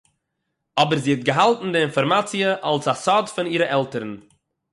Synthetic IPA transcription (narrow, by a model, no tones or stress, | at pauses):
ɔbəɾziːɛt̚ɡəɦalˠtn̩dɪɪnfɔɾmat͡siəʔalˠsasɔdfɪniːɾəʔɛlˠtəɾn̩